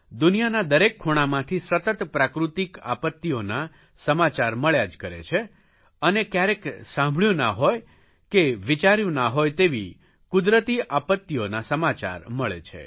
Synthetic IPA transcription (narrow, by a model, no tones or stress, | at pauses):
d̪unijanad̪əɾekʰːoɽ̃amãt̪ʰisət̪ət̪pɾakɾut̪ika̰pət̪ːiona | səmat͡ʃaɾməɭjad͡ʒkəɾḛt͡ʃʰe | ənekjaɾeksãmbʱɭjũna̰ɦoj | keʋit͡ʃaɾjũnaɦojt̪eʋi | kʊd̪ɾət̪iʔapət̪ːionasəmat͡ʃa̰ɾməɭḛt͡ʃʰḛ